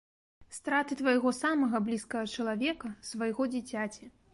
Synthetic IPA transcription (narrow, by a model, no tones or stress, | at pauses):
st̪ɾat̪ɨt̪vɐjɣɔsamɐɣɐblʲiskɐɣɐt͡ʂɐlˠavʲɛkɐsvɐjɣɔd͡zʲit͡sʲat͡sʲɛ